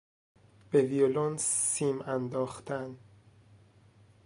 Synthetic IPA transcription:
b̥eviolonssiːmænd̪ɒːxt̪ʰæn

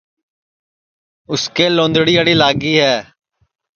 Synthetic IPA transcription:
ʊskeːlõːnd̪ɽiːaːɽiːlaːɡiːɦɛː

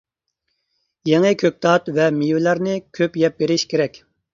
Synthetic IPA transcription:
jɛŋɨkʲʰøk̚ʲt̪ʰɑt̪vɛmijvɪlæɾnɪkʲʰøpjɛp̚beɾɪʃkʲʰeɾɛkʲ

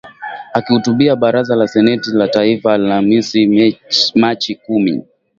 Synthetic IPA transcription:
akihutuɓiaɓaɾazalasɛnɛtilataifalamisi | mat͡ʃikumḭ

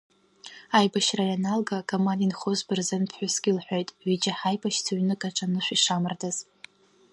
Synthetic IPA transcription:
ajbaʃrajanalɡakʼomandinχozbɨrzɨnpʰħʷᶣʊsɡ̥ʲilħʷᶣo̞jtʼɥid͡ʒaħajbaʃt͡sʰaɥnɨkʼaʈ͡ʂʼanɨʃʷiʂamɨrdaz̥

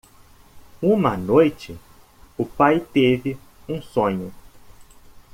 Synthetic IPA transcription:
ũmɐnojt͡ʃɪ | ʊpajt̪evɪ | ũsõɲʊ

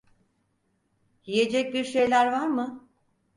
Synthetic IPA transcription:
jije̞d͡ʒɛc̚biɾʃejlʲæɾvaɾmɯ

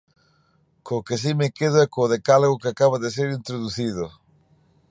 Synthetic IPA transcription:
kokes̬imekeð̞oɛkoːðekaloɣokeakaβaðes̬eɾint̪ɾoðuθiðo

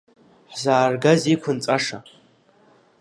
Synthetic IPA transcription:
ħzaːrɡazikʷʰʊnt͡sʼaʂa

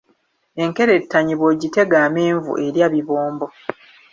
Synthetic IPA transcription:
e̞ŋke̞ɾe̞tːaɲiβwoɟite̞ɡaːmeːɱvṵʔe̞ɾjaːβiβoːmbo

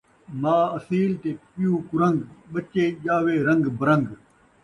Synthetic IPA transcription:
maːɐsiːlt̪eːpɪjũːkʊɾəŋɡɓət͡ʃeːʄaːʋeːɾɐ̃ŋɡbɐɾə̃ŋɡ

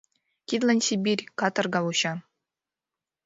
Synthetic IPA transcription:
kʲid̪lʲˠɤnʲsʲibʲirʲkɑt̪ɤ̆rɡɑvuɕɑ

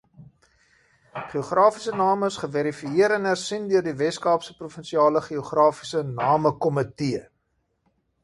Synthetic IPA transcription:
χioχrɑːfisənɑːməsχəvæɾifiiəɾɛnɦærsindøərdivɛskɑːpsəprufənsiɑːləχioχrɑːfi̥sənɑːməkɔmətiə

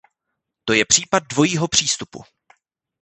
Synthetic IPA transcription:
t̪o̞jɛpr̥iːpad̪̚dvo̞jiːɦo̞pr̝̥iːst̪upṵ

